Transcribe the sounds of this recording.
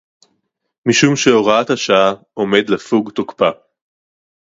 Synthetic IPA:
miʃumʃeoʁat̪haʃaa | ome̞d̪lefuɡt̪okpa

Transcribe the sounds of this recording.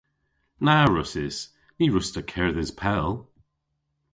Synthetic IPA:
naɹʊsɪz̥ | niɹʊstəkʰɛɹðɪz̥pʰɛlˠ

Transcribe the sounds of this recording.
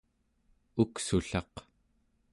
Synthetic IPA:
uksuɬɑq

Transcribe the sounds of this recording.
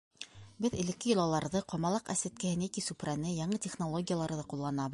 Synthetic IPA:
bɘðɘ̆lɘ̆kːɘ̆jŏlˠɑlˠɑɾðɤqɑmɑlˠɑqæ̰sæt̪̚kæhɘnækisuprænɘjɑɴɤtʲeχnolˠoɡʲɪjalˠɑɾðɤqulˠːɑnɑβɤ̆ð

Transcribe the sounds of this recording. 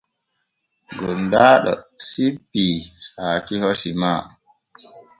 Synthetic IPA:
ɡɔndaːɗɔ̰sibːisaːkihosimaː

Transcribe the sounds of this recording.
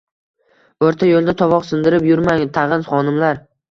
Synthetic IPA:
ɵɾt̪ʰajolˠd̪at̪ʰɒvɒqsɪnd̪ɪɾɪpjʊɾmaŋt̪ʰɑʁɨnχɒnɪmlaɾ

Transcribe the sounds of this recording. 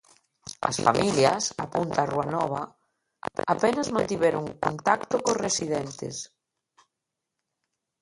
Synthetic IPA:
ɐ̰sfa̰miljasa̰punt̪aruanɔβa | apenazmãnt̪iβeɾoŋkont̪akt̪okosresiðɛnt̪ḛs

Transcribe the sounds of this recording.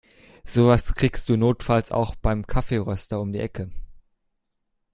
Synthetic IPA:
z̥oːvaskʁ̥iːkstd̥uːnoːtfalsa̰ʊxb̥aɪmkʰafeːʁœstɐʊmdiːʔɛkʰə

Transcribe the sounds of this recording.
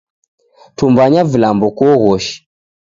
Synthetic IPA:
tumbaɲavilambɔkɔɣɔʃi̥

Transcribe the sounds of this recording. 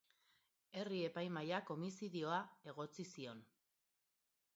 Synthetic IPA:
e̞rie̞pajmajako̞misiðio̞ae̞ɣ̞o̞t͡sisio̞n

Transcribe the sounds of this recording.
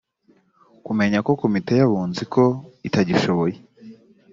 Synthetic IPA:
kume̞ɲako̞ko̞mite̞jaβuːnzikʰo̞itaɟiʃo̞βoje

